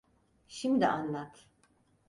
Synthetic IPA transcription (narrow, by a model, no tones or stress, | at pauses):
ʃimd̪iʔanlˠat̪ʰ